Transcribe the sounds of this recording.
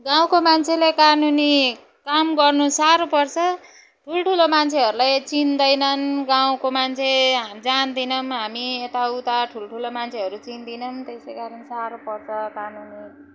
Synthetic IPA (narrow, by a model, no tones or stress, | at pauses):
ɡaw̃komant͡sʰelekanuni | kamɡʌrnusaɾopʌrt͡sʰʌ | ʈʰulʈʰulomant͡sʰeɦʌɾulajt͡sind̪ʌjnʌnɡaw̃komant͡sʰed͡zand̪inʌmɦamiet̪aut̪aʈʰulʈʰulomant͡sʰeɦʌɾut͡sind̪inʌmt̪esejkaɾʌnsaɾopʌrt͡sʰʌkanuni